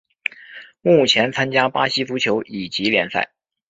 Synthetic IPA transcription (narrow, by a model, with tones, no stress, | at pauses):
mu˥˩t͡ɕʰjɛ˧˥nt͡sʰa˥nt͡ɕja˥pa˥ɕi˥t͡su˧˥t͡ɕʰjo˧˥ʊʔi˨˩t͡ɕi˧˥ljɛ˧˥nsa̰˥˩ɪ